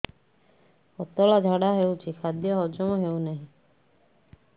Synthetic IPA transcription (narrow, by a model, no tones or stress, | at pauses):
ɔt̪ɔɭad͡ʒʱaɽaɦewt͡ʃʰikʰad̪jɔɦɔd͡ʒɔmɔɦewnaɦĩ